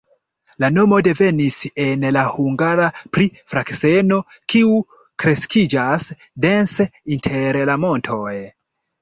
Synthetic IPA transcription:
lano̞mo̞de̞ve̞nise̞nlahuŋɡaɾapɾifɾakse̞no̞ | kʰiu | kɾe̞skid͡ʒas | de̞nseintʰe̞ɾlamo̞ntʰo̞j

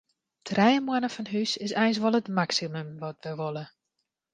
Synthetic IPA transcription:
tʰrɛjəmwanəfɔnɦysɪsɛjns̬ʋɔlˠətmaksiməmʋɔtʋəʋolˠə

